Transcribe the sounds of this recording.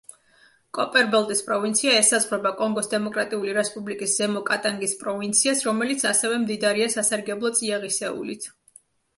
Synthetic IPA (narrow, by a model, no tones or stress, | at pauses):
kʼɔpʼɛɾbɛlˠt̪ʼispʼɾɔvint̪sʰiaɛsazʁwɾɛbakʼɔŋɡɔsd̪ɛmɔkʼɾat̪ʼiuliɾɛspʼublikʼiszɛmɔkʼat̪ʼaŋɡispʼɾɔvint̪sʰiasɾɔmɛlit̪sʰasɛvɛmd̪id̪aɾiasasaɾɡɛblˠɔt̪sʼiaʁisɛṵlit̪ʰ